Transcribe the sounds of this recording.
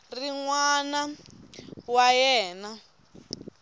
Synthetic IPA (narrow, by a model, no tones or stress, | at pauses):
riŋwana | wajɛːna